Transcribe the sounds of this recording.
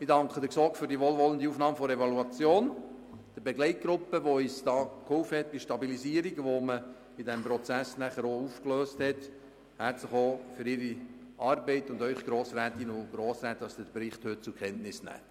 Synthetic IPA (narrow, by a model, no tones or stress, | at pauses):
mɪdɑŋkχəd̥̪əksɔkfʏɾdiəʋoːlʋɔlənd̪iuːfnɑːməfɔɾɛvɑluɑt͡sjoːn | d̥əbɛɡlɛɪt̚ɡ̥ɾʊpːəʋoyːsd̥ɑːkhʊwfəhɛt̪̚b̥iʃtɑbiliziːəɾiɡʋomə | idɛmpɾɔt͡sæsnæχəɾoufkløːsthɛt | hæɾtt͡sləχoːfʏɾɪɾiɑːrbɛɪt̪ʊndœʏχɡ̥ɾoːsɾæːtinʊɡ̥ɾoːsɾæːt̪dɑsdədbɾɪχthʏt̚t͡sʊkχɛntnɪsnæ̰ː